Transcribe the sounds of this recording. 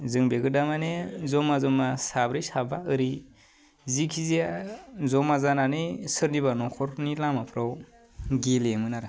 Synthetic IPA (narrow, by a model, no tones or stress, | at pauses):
zɯŋbeɡɯdamanezɔmazɔmasabɾisabaɯɾi | zikʰiziazɔmazananɯjsɯɾnibanɔkʰɔɾnilamapʰɾaw | ɡelemɯnaɾɯ